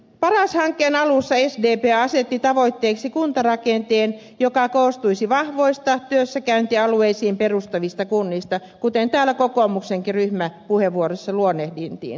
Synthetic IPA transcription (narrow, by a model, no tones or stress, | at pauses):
pɑrɑshɑŋkːˑeːnɑlusːɑesdeːpeːɑset̪ːit̪ɑʋoit̪ːeːksikunt̪ɑrɑkent̪eːn | jokɑkoːst̪uisiʋɑhʋoist̪ɑt̪yøsːækæynt̪iɑlueisiːmperust̪ɑʋist̪ɑkunːist̪ɑkut̪ent̪æːlækokoːˑmukseŋkiryhmæpuheʋʋuorosːɑluonːehdint̪ḭːn